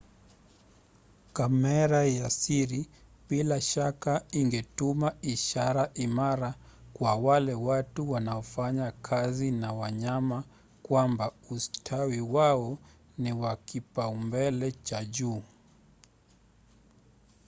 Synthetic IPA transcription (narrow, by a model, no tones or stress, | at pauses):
kamɛɾajasiɾi | bilaʃakaiŋɡɛtumaiʃaɾaʔimaɾakwawalɛwatuwanaɔfaɲakʰazinawaɲama | kwambaustʰawiwaɔ | niwakipaumbɛlɛt͡ʃaʄuː